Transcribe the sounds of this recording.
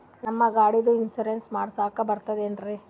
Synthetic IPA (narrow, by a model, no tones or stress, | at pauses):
nɐmːɐɡaːɽid̪uinsuɾensmaːɽsaːkɐbɐɾt̪ɐd̪eɐndɾi